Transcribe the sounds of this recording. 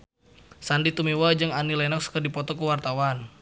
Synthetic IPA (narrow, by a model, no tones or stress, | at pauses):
sandit̪umiwad͡ʒɨŋanilɛnɔk̚sə̥kərdipɔt̪ɔkuwart̪awan